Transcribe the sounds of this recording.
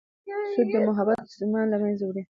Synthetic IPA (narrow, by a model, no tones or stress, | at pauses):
sʊd̪̚d̪əmʊɦabat̪mʊ̥sɪmɑnlamanzawɽe